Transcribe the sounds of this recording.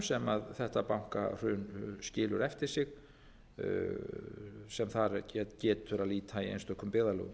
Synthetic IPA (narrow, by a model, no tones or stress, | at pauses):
sɛmaðθɛht̪apawŋ̥ka̰r̥ʏːnscɪːlʏɾɛft̪ɪɾ̥sɪx | sɛmθaɾcɛcɛːt̪ʰʏɾaðliːt̪ʰaiḛjnst̪œhkːʏmpɪːðalœ̰ːɣʏm